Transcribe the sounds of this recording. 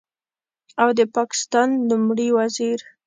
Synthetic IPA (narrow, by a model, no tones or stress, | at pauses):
awd̪əpɑkɪ̥st̪ɑnlumɽiwaziɾ